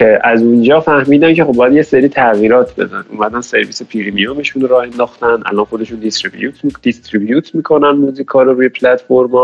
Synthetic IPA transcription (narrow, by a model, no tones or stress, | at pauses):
cʰeʔæzund͡ʒɒːfæhmiːd̪æncʰe̞xobːɒːjæd̪jeseɾiːt̪ʰæɣiːɾɒːt̪ʰbe̞̰zænṵːmæd̪ænse̞ɾviːsepʰiɾimijome̞ʃunɾɒːhend̪ɒːxt̪ænd̪ʔæ̰lɒːnxod̪e̞ʃund̪ist̪ɾibjut̪id̪̥ist̪ɾibjuːt̪ʰmiːkʰo̞nænmuːziːkʰɒːɾoɾuːjepʰlæt̪foɾmɒ